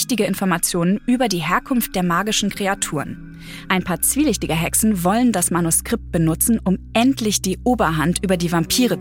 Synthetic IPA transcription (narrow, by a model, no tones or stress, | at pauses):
çtɪɡəɪnfɔɐmat͡sjoːnənʔyːbɐdiːɦeːɐkʰʊnft̚d̥eːɐmaːɡɪʃn̩kʁ̥eatʰuːʁən | ʔaɪnpʰaːɐt͡sv̥iːlɪçtɪɡəɦɛksn̩vɔləndasmanuskʁ̥ɪp̚t̚b̥ənʊt͡sn̩ʊmʔɛntʰlɪçd̥iːʔoːbɐɦantʔyːbɐdiːvampʰiːʁə